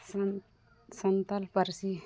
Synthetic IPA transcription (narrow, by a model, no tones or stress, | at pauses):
sɐnt̪ɐlpəɾsi